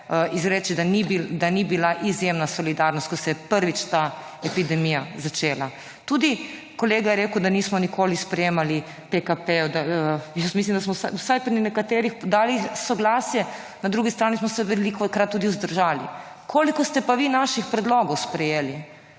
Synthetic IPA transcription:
izɾɛt͡ʃid̪anibid̪anibilaʔizjemnasɔlid̪aɾnɔst̪̚kɔsɛjɛpəɾʋit͡ʃt̪a | ɛpid̪ɛmijazat͡ʃeːla | t̪ud̪i | kɔleːɡajɛɾeːkəwd̪aniːsmɔnikʰoːlispɾɛjeːmali | pekapɛɔd̪aəjəsmislimd̪asmɔsawsajpɾinɛkat̪eːɾixpɔd̪aːlisɔɡlaːsjɛ | nad̪ɾuːɡist̪ɾaːnismɔsɛʋɛlikɔkɾat̪̚ːuːd̪iuzd̪əɾʒaːlḭ | kʰoːlikɔst̪ɛpaʋinaʃixpɾɛd̪loɡɔwspɾɛjeːli

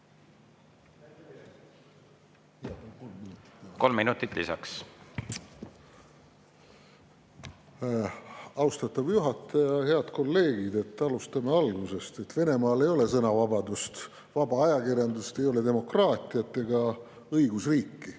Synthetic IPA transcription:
ko̞lmːinut̪ːˑit̪ːˑlisɑ̰ks | ɑwst̪ɑt̪ːˑɑvjuɦɑt̪ːˑɑjɑhe̞ɑd̪̥ko̞lːe̞ːɡid̪e̞t̪ːɑlust̪ɑme̞ɑlɡuse̞st̪e̞t̪ːve̞ne̞mɑːle̞jo̞le̞sɤnɑvɑbɑd̪ust̪ | vɑbɑɑjɑkirjɑnd̪ust̪e̞jo̞le̞d̪e̞mo̞krɑːt̪ʲˑiɑt̪ˑːe̞ɡɑ | ɤjɡ̥usriːkːi

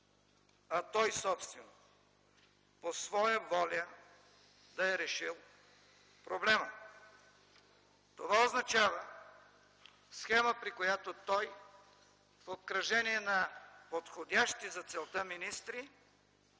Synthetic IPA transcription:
ɐt̪ɔjsɔpst̪vɛno | posvɔjəvɔlʲə | d̪ɐɛɾɛʃilˠ | pɾoblɛmə | t̪ovaoznɐt͡ʃavə | sxɛməpɾikojat̪ot̪ɔj | fokɾɐʒɛniɛnɐpot̪xod̪ʲaʃt̪izɐt̪sɛlˠt̪əminist̪ɾi

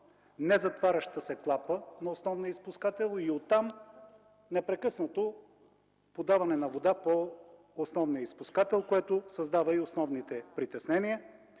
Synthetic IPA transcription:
nɛzɐt̪vaɾʲɐʃt̪əsɛklˠapənɐosnɔvnijəispuskat̪ɛlˠiot̪ːam | nɛpɾɛkɤsnət̪o | pod̪avɐnɛnɐvod̪apoː | snɔvnijəispuskat̪ɛlˠkoɛt̪ʊsɐzd̪avəiosnɔvnit̪ɛpɾit̪ɛsnɛniə

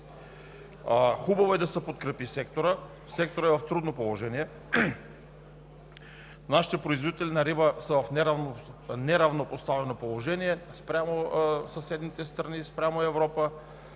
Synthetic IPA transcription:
xubɐvoɛd̪ɐsɛpot̪kɾɛpisɛkt̪oɾə | sɛk̚t̪oɾəɛvɐft̪ɾud̪nopolˠoʒɛniɛ | naʃi̥t̪ɛpɾoizvod̪it̪ɛlinɐɾibəsəvɐfnɛɾ | nɛɾɐvnopost̪avɛnopolˠoʒɛniɛspɾʲamosɐsɛd̪nit̪ɛst̪ɾɐnispɾʲamoɛvɾɔpə

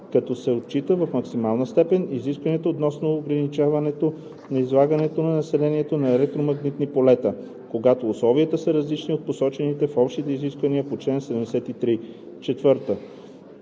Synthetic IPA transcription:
kɐt̪ɔsɛot̪̚t͡ʃit̪əvɐfmɐksimalˠnəst̪ɛpɛniziskvɐnɛt̪oːt̪nɔsnoːɡɾɐnit͡ʃavɐnɛt̪o | nɐizlˠaɡɐnɛt̪onɐnɐsɛlɛniɛt̪onɐɛlɛk̚t̪ɾomɐɡnit̪nipolɛt̪ə | koɡat̪oːslˠɔviət̪əsəɾɐzlit͡ʃniot̪̚posɔt͡ʃɛnit̪ɛfɔpʃt̪it̪ɛiziskvəniəpot͡ʃlɛnsɛd̪ɛmd̪ɛsɛt̪it̪ɾi | t͡ʃɛt̪vɤɾt̪ə

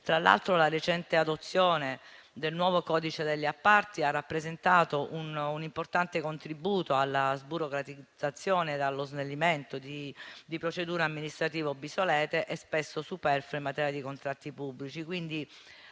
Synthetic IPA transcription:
t̪ɾalːa̰lt̪ɾolaɾet͡ʃɛnt̪ead̪ot̪sːjoːne | d̪elnwɔːvokɔːd̪it͡ʃed̪eʎːiapːart̪iarːapːɾezent̪aːt̪oʔununimport̪ant̪ekont̪ɾibuːt̪oalːazbuɾokɾat̪id̪z̥at̪sːjoːned̪alːoznelːiment̪od̪id̪ipɾot͡ʃed̪uːɾaamːinist̪ɾat̪iːvobːisolɛːt̪eʔɛspesːosupɛrfoimːat̪ɛːɾjad̪ikont̪ɾat̪ːipubːlit͡ʃikwind̪i

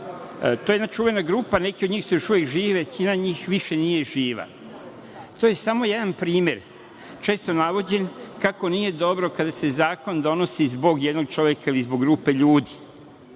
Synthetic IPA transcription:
t̪o̞jejed̪nat͡ʃuːʋe̞naɡɾuːpanekid̪ɲiːxsujo̞ʃuʋjekʒiːʋet͡ɕinaɲiːxʋiʃe̞nije̞ʒiːʋa̰ | t̪oːje̞samo̞je̞d̪anpɾiːme̞ɾ | t͡ʃeːst̪o̞naʋo̞d͡ʑe̞nkako̞nije̞d̪o̞bɾo̞kad̪ase̞zaːko̞nd̪o̞no̞sizbo̞ɡjed̪no̞ɡt͡ʃo̞ʋjekailizboɡɾuːpe̞ʎuːd̪i

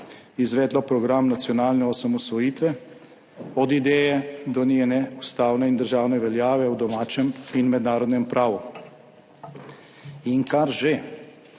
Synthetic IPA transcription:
izʋɛːd̪lɔpɾɔɡɾamnat̪sjɔnaːlnɛɔsamɔsʋɔjiːt̪ʋɛ | ɔd̪id̪ɛːjɛd̪ɔnenɛust̪aːwnɛind̪əɾʒaːwnɛʋɛljaːʋɛwd̪ɔmaːt͡ʃɛminmɛd̪naːɾɔd̪nɛmpɾʔaːʋu | iŋkaɾʒe

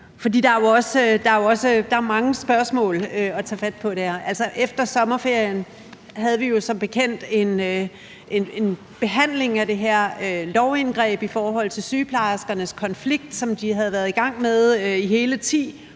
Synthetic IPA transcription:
fɒ̽dḭːd̥ɑ̈æjoɒ̽sd̥ɑ̈æjoɒ̽səd̥ɑ̈æɐmɑ̈ŋəsb̥ɶɐsmɔ̰̽ːløɒ̽t͡sʰæːfæd̥̚pʰɒ̽d̥eæɐ̰ʔælsɒʔefd̥ɐsɒ̽mɐfe̝ɐ̰jən | ɦæð̞ˠəʋijo̝sɒ̽mb̥e̝kʰen̰d̥e̝n | ene̝n | b̥e̝ɦæn̰le̝ŋæd̥e̝ɦæɐ̰ølɒʊe̝nɡ̥ʁɛ̰ːb̥ifɒːɦɒ̽l̰t͡sʰe̝lsyːpʰlɑsɡ̥ɐnəskʰɒ̽nfliɡ̥̚d̥sɒ̽md̥iɦæð̞ˠʋæɐðˠiɡ̥ɑ̈ŋ̰með̞ˠøiɦe̝ːlət͡sʰḭː

